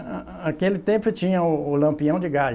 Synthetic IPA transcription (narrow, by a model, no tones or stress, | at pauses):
akelɪt̪ẽpʊt͡ʃĩɲɐʊːlɐ̃mpiɐ̃w̃d͡ʒɪɡa